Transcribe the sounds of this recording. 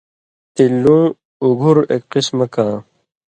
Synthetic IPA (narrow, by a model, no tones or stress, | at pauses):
t̪ilːũː | uɡʱuɾekqismɐkãː